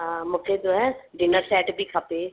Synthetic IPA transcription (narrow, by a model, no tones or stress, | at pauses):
mʊkʰed̪oɛ̃ɖɪnəɾsɛːʈbʱiːkʰapeː